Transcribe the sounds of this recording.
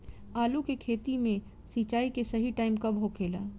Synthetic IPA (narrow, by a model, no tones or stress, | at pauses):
aːlukekʰeːt̪imẽ | siːt͡ʃaːikesɐɦiʈaːɪmkɐbɦokʰeːla̰ː